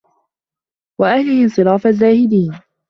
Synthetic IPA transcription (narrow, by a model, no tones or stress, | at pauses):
waʔahlɪhɪsˤɨɾɑːfazaːhɪd̪iːn